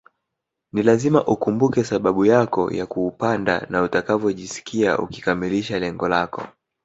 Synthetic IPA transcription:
nilazimaʔukumbukɛsaɓaɓujakɔ̰ja̰kuːpanda̰nautakavɔʄisi̥kia̰ʔṵki̥kamiliʃalɛŋɡɔlakɔ̰

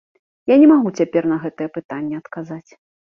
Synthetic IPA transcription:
janʲɛmaɣut͡sʲapʲɛrnɐɣɛt̪ɨjɛpɨt̪anʲːɛɐt̪kazat͡sʲ

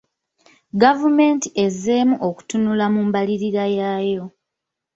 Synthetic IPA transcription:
ɡavume̞ntiʔe̞ze̞ːmuʔoku̥tunulamuːmbaliɾiɾajaːjo̞

